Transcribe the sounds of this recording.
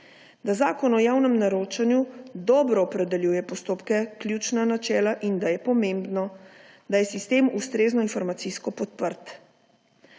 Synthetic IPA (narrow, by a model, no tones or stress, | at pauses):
d̪azaːkɔnɔjaːwnɛmnaɾoːt͡ʃanjud̪ɔːbɾɔːpɾɛd̪ɛljuːjɛpɔst̪oːpkɛklʲjut͡ʃnanat͡ʃɛːlaʔind̪ajɛpɔmẽmbnɔ | d̪ajɛsist̪eːmust̪ɾeːznɔinfɔɾmat̪siskɔpɔt̪̚pəɾt̪